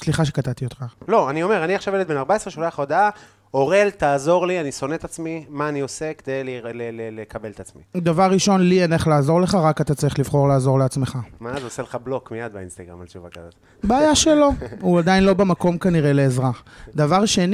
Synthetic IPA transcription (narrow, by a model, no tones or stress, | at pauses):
sliχaʃ̬e̞kat̪at̪iot̪χalo̞anio̞me̞ʁaniaχʃavjelet̪̚benaʁbaesʁeʃolaaχod̪aa | o̞ʁe̞lt̪aːzo̞ʁlianiso̞net̪at͡smimaːnio̞seked̪ejlelelelekabelet̪at͡smḭd̪avaʁːiʃo̞nlieneχlaːzo̞ʁle̞χaʁakat̪at͡saʁiχlivχo̞ʁlaːzo̞ʁleat͡smeχamazoseleχablo̞kmijad̪̚beinst̪aɡʁa̰malt͡ʃuvaɡa̰dot | beajaʃelo̞uad̪ainlo̞bemako̞mkaniʁe̞le̞ːzʁad̪avaʁʃen